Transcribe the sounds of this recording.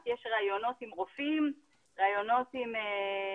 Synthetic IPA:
t̪jeʃʁajo̞no̞t̪imʁofim | ʁaːjo̞no̞t̪ime

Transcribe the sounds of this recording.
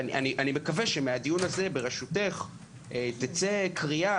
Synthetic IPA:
niʔa̰niʔanime̞kaveʃemead̪ijunaze̞beʁeʃute̞χ | ʔet̪it͡sekʁia

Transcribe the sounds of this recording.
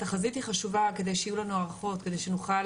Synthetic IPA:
t̪aχazithiχaʃuvake̞d̪e̞jʃeijulanuaʁaχo̞t̪kede̞jʃenuχa

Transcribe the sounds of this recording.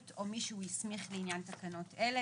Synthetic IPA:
to̞miʃuujismiχleinjant̪akano̞tele

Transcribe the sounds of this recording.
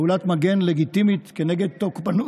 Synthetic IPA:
ulat̪maɡe̞nleɡit̪imit̪keneɡed̪̚t̪okbanu

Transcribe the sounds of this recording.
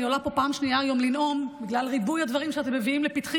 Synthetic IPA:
iolapo̞paːmʃniaːjo̞mlinʔo̞mbiɡlalʁibujhad̪vaʁimʃeat̪emːeviimlepit̪χi

